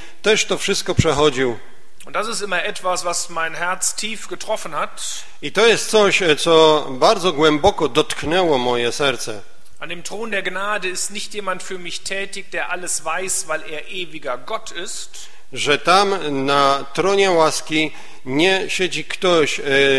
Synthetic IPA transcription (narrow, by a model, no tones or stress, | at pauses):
t̪ɛʂt̪ɔfʂɘst̪̚kɔpʂɛxɔd͡ʑiw | ʔʊntd̥asɪstʔɪmɐʔɛtv̥asv̥asmaɪnɦɛɐt͡stʰiːfɡ̥ətʁ̥ɔfnhat | it̪ɔjɛst̪t̪sɔɕt̪sɔbaɾd̪zɔɡwɛmbɔkɔd̪ɔt̪knɛwɔmɔjɛsɛɾt̪sɛ | ʔandeːmtʁ̥oːndeːɐɡnaːdəɪstnɪçtjeːmantfyːɐmɪçtʰɛːtɪçd̥eːɐʔaləsv̥aɪsvaɪleːɐʔeːviɡɐɡɔtʰɪst | ʐɛt̪amnat̪ɾɔɲɛwaskʲi | ɲɛɕɛd͡ʑikt̪ɔɕ